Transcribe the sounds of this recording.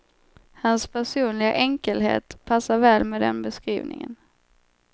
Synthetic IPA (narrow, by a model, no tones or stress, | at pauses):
hanspʰæʂuːnlɪɡa̰ʔɛŋkəlɦḛːt̪pʰasːaɾvɛːlmɛd̪ɛ̰nbɛskɾiːvnɪ̰ŋə̰n